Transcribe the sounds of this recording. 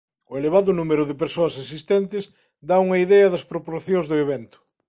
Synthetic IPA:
ʊeleβ̞aðʊnumeɾʊðɪpeɾsoɐsesist̪ɛnt̪ɪs | d̪auŋɐiðɛɐðɐspɾopoɾθjõzðʊeβɛnt̪ʊ̥

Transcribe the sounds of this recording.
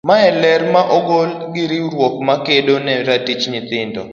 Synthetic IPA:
maɛlɛrmaʔɔɡolɡɪɾɪɾwɔkmakedonɛɾatit͡ʃɲɪt̪ɪndɔ̰

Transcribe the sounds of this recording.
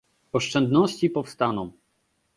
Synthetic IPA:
ɔʂt͡ʂɛnd̪nɔɕt͡ɕipɔfst̪anɔ̃m

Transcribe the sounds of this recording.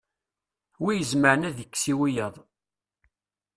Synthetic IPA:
wijəzməɾənæðjəkːsiwijəðˤ

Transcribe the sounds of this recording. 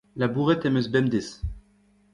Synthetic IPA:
labuʁɛt̪ɛmezbɛmd̪es

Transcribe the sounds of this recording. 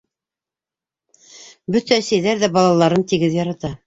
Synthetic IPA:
bɵt̪æsæjðæɾðæbɑlˠɑlˠɑɾɤnt̪iɡɘðjɑɾɑt̪ɑ

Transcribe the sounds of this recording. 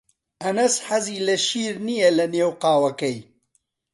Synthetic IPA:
ʔɐnɐsħɐziːlɐʃiːɾnijelɐneːwqaːwɐkɐj

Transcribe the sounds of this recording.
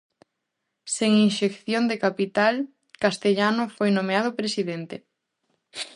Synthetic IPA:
seŋinʃekθjond̪ekapit̪al | kast̪eʎanofojnomeað̞ʊpɾesiðent̪e

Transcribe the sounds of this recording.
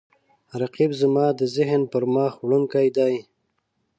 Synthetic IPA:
ɾaqibzəmɑːd̪əzɪɦnpəɾmɑːxwɽəŋkajd̪ɑj

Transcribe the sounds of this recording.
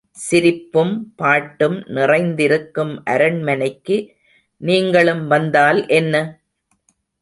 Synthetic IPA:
sɪɾɪpːɯmpaːʈːɯmnɪrɐɪnd̪ɪɾɯkːɯmʔɐɾɐɳmɐnɐɪkːɯ | niːŋɡɐɭɯmʋɐnd̪aːlʔɛnːɐ

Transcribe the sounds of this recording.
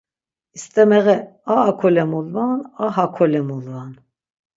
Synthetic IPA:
ist̪ʼɛmɛɣɛaːkʰɔlɛmulvanaɦakʰɔlɛmulvan

